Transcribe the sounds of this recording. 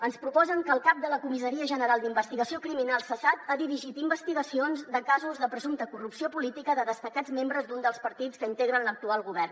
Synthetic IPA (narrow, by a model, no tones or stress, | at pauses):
ənspɾupɔzəŋkəːlˠkap̚d̪ələkumisəɾiəʒənəɾalˠd̪imbəst̪iɣəsiokɾiminalˠsəsat̪aðiɾiʒit̪imbəst̪iɣəsionzd̪əkazuzðəpɾəzumt̪əkurupsiopulit̪ikəðəðəst̪əkad͡zmembɾəzd̪und̪əlˠspəɾt̪it͡skəint̪eɣ̞ɾənlək̚t̪ualˠɣuβɛr